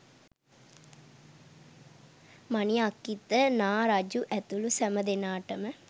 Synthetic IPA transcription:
maniakːit̪ənaːɾad͡ʒuʔɛt̪ulusæməd̪enaːʈəmə

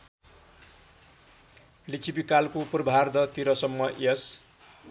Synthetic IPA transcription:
lit͡sʰibikalkopurbʱard̪ʌt̪iɾʌsʌmːʌʔes

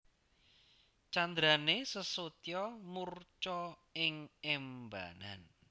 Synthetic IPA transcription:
t͡ʃand̪ɾanesəsot̪jɔmurt͡ʃɔɪŋɛmba̰na̰n

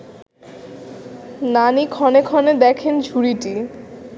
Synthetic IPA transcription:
nanikʰɔnekʰɔned̪ɛkʰend͡ʑʱuɾiʈi

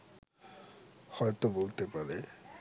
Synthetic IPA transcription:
hɔjt̪obolt̪epaɾe

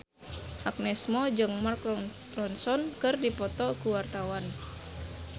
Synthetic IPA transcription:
ʔak̚nɛsmɔd͡ʒɨŋmark | rɔnsɔnkɨrdipɔt̪ɔkuwart̪awan

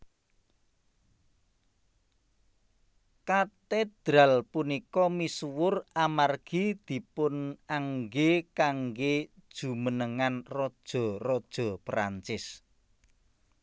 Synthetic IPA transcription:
kat̪ed̪̥ɾalpunikɔmisuwʊramarɡ̥id̪̥i̤pʊnaŋɡekaŋɡedd̥ʒ̥ṳmənəŋanrɔd̥ʒ̥ɔ̤rɔd̥ʒ̥ɔ̤pɾa̰ɲt͡ʃɪs

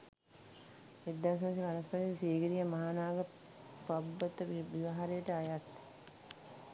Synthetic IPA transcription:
ed̪ːaːs̬ɐmsiʋanɐspad̪eseːɡəɾijəmaɦaːnaːɡə | pabːət̪əʋʋiʋɐɦaɾejəʈəajat̪

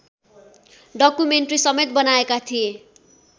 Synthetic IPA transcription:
ɖʌkumeɳʈrisʌmet̪̚bʌnaekat̪ʰie

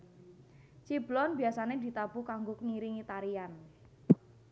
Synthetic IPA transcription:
t͡ʃiblɔnbiasaned̪̥i̤t̪ab̥uhkaŋɡʊkŋiɾiŋit̪aɾian

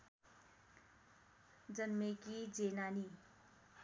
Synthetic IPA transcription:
d͡zʌnmekid͡zenani

